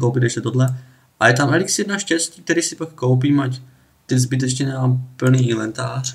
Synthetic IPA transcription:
kowpɪt̪ɛʃcɛt̪odlɛ | ʔajɛt̪amɛliksijɛd̪naʃcɛsciːk̚t̪ɛɾiːsɪpakːowp̬iːmac | t̪ɪzbɪt̪̬ɛt͡ʃɲɛnapl̩niːʔilɛnt̪aːr̝̥

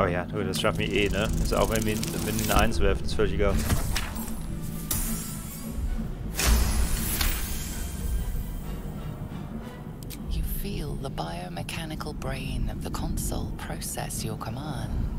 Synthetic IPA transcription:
ʔoʊjænoəstɹ̥afmiʔɪːnəɪsa̰wɛminəmɪnmĩnʔã̰ɪ̃nswɛːfnə̥sfɜjəɡoʊ | jəfiːlˠðəbaɪəʊmɪkʰanɪkʰəlˠbɹẽɪ̃nəvðəkʰɒ̃nsə̰ʊlˠpʰɹ̥əʊsɛ̰sjəkʰəmɑ̃ːnd̥

